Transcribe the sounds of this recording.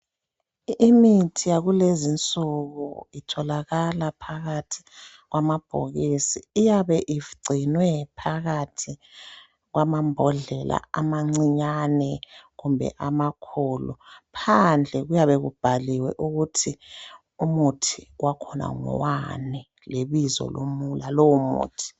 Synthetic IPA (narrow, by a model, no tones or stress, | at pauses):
imitʰijaɣulezint͡sʼuɣuitʰɔlaɣalapʰaɣatʰi̥ | ɣwamab̥ʱo̰ɣisiːjaβɛʔiɡ͡ǀʱinwɛpʰaɣatʰi | ɣwamambʱɔɮɛla̰amaŋ͡ǀiɲanɛɣumbʱɛ̰ʔamakʰɔlɔpʰand͡ɮʱɛɣujaβɛɣṵb̥ʱaliwɛ̰ʔuɣutʰi | umutʰiwʔakʰɔna̰ŋɔ̰wanɛ | leβizɔ̰lomulalowumṵːtʰi̥